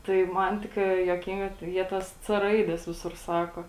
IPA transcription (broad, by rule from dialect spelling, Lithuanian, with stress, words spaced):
tɐɪ ˈmɐn tʲɪkˈrɐɪ juɔˈkʲɪŋɡɐ tɐɪ ˈjiɛ ˈtɐs t͡s ˈrɐɪdʲɛs ˈʋʲɪsʊr ˈsɑːkoː